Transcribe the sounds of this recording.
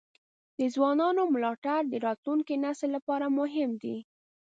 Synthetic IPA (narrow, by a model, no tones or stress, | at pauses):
d̪əzwɑnɑnomlɑʈaɾd̪əɾɑt̪luŋkinasəlːapɑɾamʊɦɪmd̪i